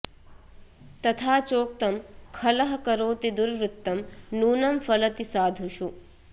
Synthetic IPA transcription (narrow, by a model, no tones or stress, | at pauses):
t̪ɐt̪ʰaːt͡ʃoːk̚t̪ɐmkʰɐlɐɦɐkɐɾoːt̪id̪uɾɾut̪ːɐmnuːnɐmfɐlɐt̪isaːd̪ʱuʃu